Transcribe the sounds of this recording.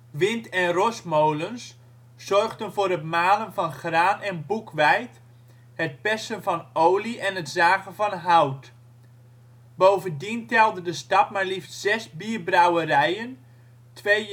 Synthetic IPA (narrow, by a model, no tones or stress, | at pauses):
ʋɪntɛnrɔsmowləns | z̥ɔrχdənvʊːɾətmaːlənvɑnχraːnɛnbukʰʋɛjt | hət̚pɛsənvɑnowliʔɛnɦətzaːɣənvɑnɦawt | bowvəndintɛlˠdədəstɑt̚maːɹliftz̥ɛsbiːəbrawəɾɛjən | tʰʋe